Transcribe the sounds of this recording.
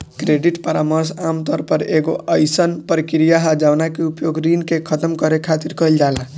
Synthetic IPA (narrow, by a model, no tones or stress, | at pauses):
kɾeɖiʈpəɾaməɾsamt̪ɔɾpəɾeɡo̰ʔəjsənpəɾkiɾijaɦad͡ʒanakeupjoɡɾinkekʰət̪əmkəɾekʰat̪iɾkʌld͡ʒala